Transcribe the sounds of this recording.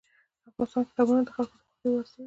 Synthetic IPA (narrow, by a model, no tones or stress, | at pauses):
d̪əafɣɑnɪst̪ɑnkɪ̥t̪ɑbunad̪əxalkod̪əxad̪ewaɾsi